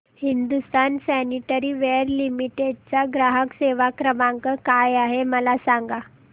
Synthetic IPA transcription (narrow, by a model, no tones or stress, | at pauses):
hind̪ust̪ʰansæniʈəɾiːʋeɾlimiʈeɖ̚t͡saɡɾaɦəkseʋakɾəmaŋkəkajaɦeməlasaŋɡa